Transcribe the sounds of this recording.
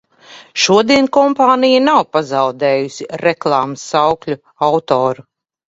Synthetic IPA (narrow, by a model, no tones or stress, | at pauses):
ʃuɔd̪iɛnkɔmpaːnijanawpazawd̪ɛːjusʲiɾɛklˠaːmɐsːawklʲu | awt̪ɔːɾu